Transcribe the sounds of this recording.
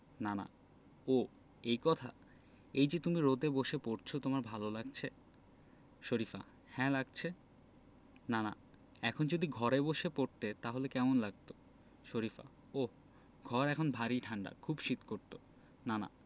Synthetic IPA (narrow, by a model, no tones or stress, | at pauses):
nana̰ | o | ejkɔt̪ʰa̰ | ejd͡ʑet̪umiɾod̪eboʃepoɾt͡ɕʰot̪omaɾbʱalolaɡ̚t͡ɕʰe | ʃoɾifa̰ | hɛ̃laɡ̚t͡ɕʰe | nana̰ | ɛkʰond͡ʑod̪iɡʱɔɾeboʃepoɾt̪et̪aɦolekɛmonlaɡ̚t̪o | ʃoɾifa̰ | o | ɡʱɔɾɛkʰonbʱaɾiʈʰaɳɖa̰kʰubʃit̪koɾt̪o | nana̰